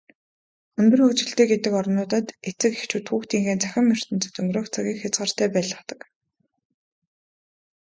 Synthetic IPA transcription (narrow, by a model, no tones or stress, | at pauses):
ɵnt̪ɵ̆rxɵkt͡ɕɪ̆ɬt̪eːɡet̪ɘ̆kɔɾ̆nʊːt̪ə̆t̪et͡sɘ̆kext͡ɕuːt̪xuːxt̪iːŋxeːnt͡sæxʲɪ̆mːer̥t̪ɘ̆nt͡sɵ̥̆t̪ɵŋɡ̪roːkt͡sʰaɣʲiːŋxʲat͡sɢə̆r̥t̪æːpæːɮə̆χt̪ə̥̆k